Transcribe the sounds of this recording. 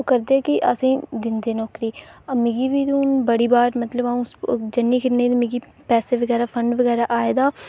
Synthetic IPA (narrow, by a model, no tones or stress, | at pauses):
oːkəɾd̪eɛkɪʔə̰sĩːd̪ɪnd̪eːnɔːkɾiːəmɪɡiːbiːt̪unbəɽiːbaːɾmət̪ləbaũsd͡ʒənːiːkʰɪɾned̪mɪɡiː | pɛːseʋəɡɛːɾaːpʰə̃ɳɖʋəɡɛːɾaːʔaːeːd̪aː